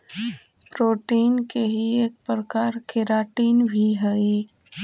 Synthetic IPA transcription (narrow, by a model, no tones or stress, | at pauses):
pɾoːʈiːnkeɦieːk̚pɾəkaːɾkʰɪɾaːʈiːnbʱiɦɛi